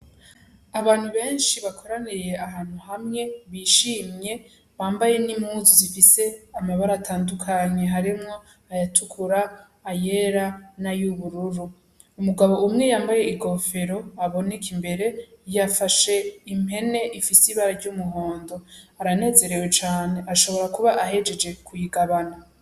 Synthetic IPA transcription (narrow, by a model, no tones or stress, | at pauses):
aβaːnhuβe̞ːnʃiβakʰo̞ɾanije̞aɦaːn̥huɦamŋe̞βiːʃiːmɲe̞ | βaːmbaje̞nimhuzuzifise̞amaβaɾatʰaːndukʰaɲe̞ɦaɾimŋo̞ | ajatʰukʰuɾaː | je̞ɾanajuβuɾuɾu | umuɡaβo̞umŋe̞jaːmbaje̞iɡo̞fe̞ɾo̞aβo̞nekʰimbe̞ɾe̞jafaʃe̞ime̞ne̞ʔifisiβaɾaɾɟumuɦo̞ːndo̞aɾane̞ːze̞ɾe̞we̞t͡ʃaːne̞ʔaʃo̞βo̞ɾakuβaʔaɦe̞d͡ʒe̞d͡ʒe̞kʰujiɡaβana